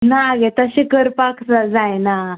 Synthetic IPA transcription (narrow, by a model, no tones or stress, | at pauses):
naɡet̪əɕikəɾpaksad͡zajna